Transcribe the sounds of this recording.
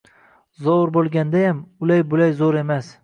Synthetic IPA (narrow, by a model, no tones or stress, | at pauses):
zoɾbolˠɡʲand̪ajamʊlajbʊlajzoɾe̞mas